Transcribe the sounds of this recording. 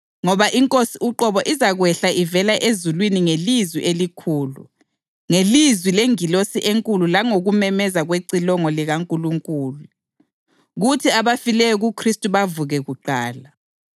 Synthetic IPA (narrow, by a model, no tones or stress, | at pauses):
ŋɔβaʔiŋkʼosiʔuǃɔβɔʔizaɣwɛɬaʔivɛlaʔezulwiniŋelizwḭʔelikʰuːlṵ | ŋelizwileŋilosiʔeŋkʼululaŋoɣumɛmɛzaɣweǀilɔŋɔliɣaŋkʼuluŋkʼuːlu | ɣutʰiaβafilɛjɔɣukʰristʼuβavuɣɛɣuǃaːla